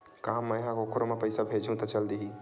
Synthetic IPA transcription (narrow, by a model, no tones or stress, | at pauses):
kaɦamɐ̃ɦãkokʰoɾomẽpɐɪsabʱeːd͡ʒũt̪ɐt͡ʃɐld̪iɦi